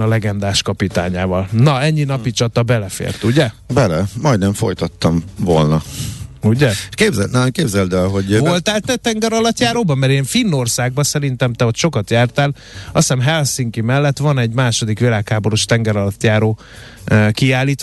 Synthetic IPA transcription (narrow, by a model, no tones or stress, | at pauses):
ɒlɛɡɛnd̪aːʃkɒpit̪a̰ːɲaːvɒlnɒɛɲːinɒpit͡ʃɒt̪ɒbɛlɛfḛːrt̪uɟɛbɛlɛmɒjd̪nɛɱfo̞̰jt̪ɒt̪ːɒmvolnɒuɟɛʃkeːbzɛnɛmkeːbzɛld̪ɛɦo̞ɟvolt̪aːlt̪ɛt̪ɛŋɡɛɾɒlɒt̪jaːɾoːbɒmɛɾeːɱfinːorsaːɡ̚bɒsɛɾint̪ɛmt̪ɛo̞t̪ʃo̞kɒt̪jaːrt̪aːl | ɒ̰sɛmɦɛlsiŋkimɛlːɛt̪ʋɒnɛɟmaːʃo̞d̪ikʋilaːkhaːbo̞ɾoʃt̪ɛŋɡɛɾɒlɒt̪jaːɾoː | kiaːlːiːt̪